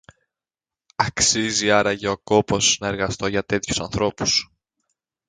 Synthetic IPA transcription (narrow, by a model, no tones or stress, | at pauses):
ɐksiziɐɾɐʝɐo̞ko̞po̞snɐe̞ɾɣɐst̪o̞ʝɐt̪e̞t̪çusɐnθɾo̞pu̥s